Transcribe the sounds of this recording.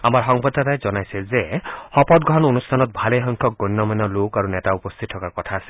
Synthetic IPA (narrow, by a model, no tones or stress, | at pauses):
amaɹɦɔŋbɔd̪ːat̪ajzɔnajsezehɔpɔt̪̚ɡʱɔɦɔnonustʰanɔt̪̚bʱalejɦɔŋkʰɔk̚ɡɔnːɔmɔjnɔlokaɾunetaupɔst̪ʰit̪̚ʰːɔkaɹkɔt̪ʰaːse̥